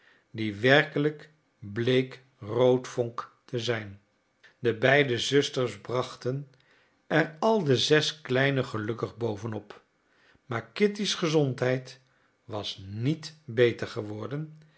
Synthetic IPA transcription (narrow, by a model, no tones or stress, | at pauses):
diʋɛɹkələk | blejk | rowtfɔŋktəzɛjn | dəbɛjdəzɵstəɹsbrɑχtən | ɛrɑlˠdəzɛsklɛjnəχəlɵkəχbowvənɔp | maːɹkɪtisχəzɔntɦɛjt | ʋɑsnitbejtəɹχəʋɔɹdən